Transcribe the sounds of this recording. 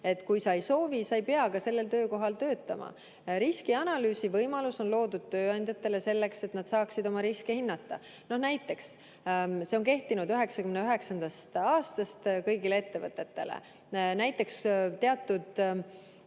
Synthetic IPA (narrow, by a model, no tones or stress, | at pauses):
e̞t̪ːˑkujsɑejso̞ːvisɑjpeɑɡ̥ɑse̞lːe̞lt̪ø̞ːko̞ɦɑlt̪øːt̪ːˑɑmɑ̰ | ɾiskiɑnɑlyːsivɤjmɑluso̞nlo̞ːd̪̥ud̪̥̚t̪ø̞ːɑnʲd̪̥ʲjɑt̪ːˑe̞le̞se̞lːe̞kse̞t̪nɑd̪̥sɑːksid̪̥o̞mɑɾiskehinːɑt̪ːˑɑ | no̞hnæjt̪ːˑe̞ks | seo̞ŋke̞ht̪inud̪yɦe̞ksɑkymneyɦe̞ksɑnd̪ɑst̪ɑːst̪ɑst̪kɤjɡile̞e̞t̪ːe̞vɤ̰t̪ˑːe̞t̪ːe̞̰lḛ | næjt̪ːˑe̞kst̪ːeɑt̪ːˑud̪̥